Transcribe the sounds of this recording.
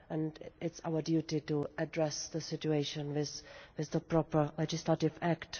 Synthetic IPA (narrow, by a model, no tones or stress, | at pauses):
ʔɛ̃ndɪtsa̰ʊə˞djutɪtuʔədɹɛsðəsɪtueɪʃə̃nwɪzwɪzðəpɹɔpə˞lɛd͡ʒɪslatɪvækt